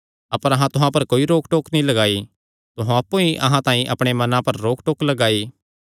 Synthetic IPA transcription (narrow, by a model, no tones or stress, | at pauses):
ɐpəɾɐɦãt̪ʊɦãpɐɾkoːiɾoːkʈoːknĩlɐɡaːi | t̪oɦõɐpːõiʔɐ̰ɦãt̪ãːĩʔɐpɽ̃emɐnãpɐɾːoːkʈoːklɐɡaːiː